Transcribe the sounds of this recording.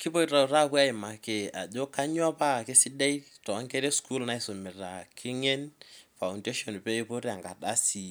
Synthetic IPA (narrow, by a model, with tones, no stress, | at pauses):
kɪ˦po˦ira˨u˨ɾa˦˨kwa˦ɪ˨ma˨ke˨a̰˨ʄo˦ka˦ɲwa˦pa˦kɪ˦sɪ˦dɛ˦i˦tɔ˨˦ŋkɛ˦ɾe˦sku˦lna˦ɪ˨so˨mɪ˨ra̰˨kʰɪ˦ŋɛ˦nfa˨ʊnde˦ʃɔ˨npe˦e˦po˦ɾi˦a˨ŋɡa̰˨ɗa˦si˨